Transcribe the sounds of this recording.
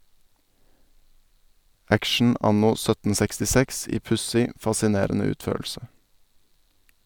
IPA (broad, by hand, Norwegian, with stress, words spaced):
ˈækʃɳ̩ ˈɑnʊ ˈsœtən sɛkstɪˈsɛks ˈiː ˈpʉsɪ fɑsɪˈneːɾnə ˈʉːtˌføːɭʃə